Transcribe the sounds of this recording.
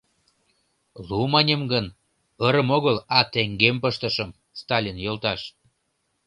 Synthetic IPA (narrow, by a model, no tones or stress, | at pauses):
lumənʲəmɡən | əɾə̆moɣəlɑt̪eŋɡempəʃt̪əʃəm | st̪ɑlʲinjolt̪ɑʃ